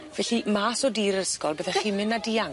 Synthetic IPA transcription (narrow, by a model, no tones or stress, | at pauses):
vɛɬimaːsɔdiːɾəskɔlˠbəðɛχiːmɪnːadia